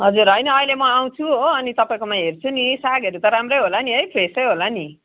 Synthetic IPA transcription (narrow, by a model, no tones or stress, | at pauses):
ɦʌd͡zuɾɦʌjnʌːjlemʌaw̃t͡sʰuɦoʌnit̪ʌpaĩkomãɦert͡sʰunisaɡʌɾut̪ʌɾamrʌjɦolaniʌjpʰresʌjɦolani